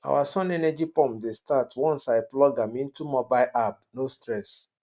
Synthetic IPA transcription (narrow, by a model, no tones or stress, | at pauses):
a̰wasɔ̃nɛnɛd͡ʒipɔ̃mpdestatʰwɔ̃nsaɪplɔɡãmĩntumɔbaɪʔabnostɹɛs